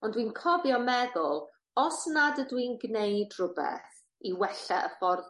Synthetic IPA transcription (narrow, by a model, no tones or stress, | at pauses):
ɔndwinkʰɔbjɔmɛðʊlˠ | ɔsnadədwinɡnejdrʊbɛ̰θ | iwɛɬɛʔəfɔr